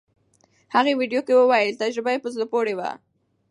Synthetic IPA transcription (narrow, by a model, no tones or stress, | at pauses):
haɣewiɖjokewəwajəlt̪ad͡ʒɾɪbajepəzlopoɽewa̰